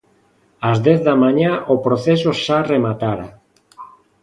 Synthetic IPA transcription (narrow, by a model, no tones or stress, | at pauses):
azd̪ɛθðamaɲaʔopɾoθes̬oʃaremat̪aɾa̰